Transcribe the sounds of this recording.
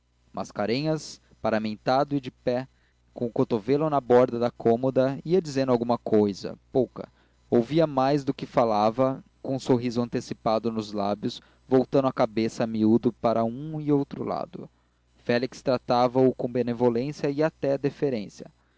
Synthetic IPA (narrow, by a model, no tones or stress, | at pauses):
mʔa̰skaɾẽɲɐs | paɾamẽnt̪ad̪ʊɪd͡ʒɪpɛ | kõʊkot̪ovelɐnɐbɔɾd̪ɐd̪ɐkõmod̪ɐiɐd͡ʒizẽnd̪ʊawɡũmɐkojzɐ̰powkɐ̰ | owviɐmajzd̪ʊkɪfalavɐkõũsoɦizʊɐ̃nt̪esipad̪ʊnʊzlabjʊs | vowt̪ɐ̃nd̪ʊakabesɐmiud̪ʊpaɾɐũɪowt̪ɾʊ̰la̰d̪ʊ̰ | fɛlikst̪ɾat̪avɐʊkõbenevolẽsjɐɪat̪ɛd̪efeɾẽsjɐ̰